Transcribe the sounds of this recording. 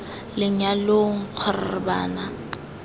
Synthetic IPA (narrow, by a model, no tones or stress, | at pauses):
lɪɲaloŋ̩q͡χʰɔrɪ̰rɪbaːna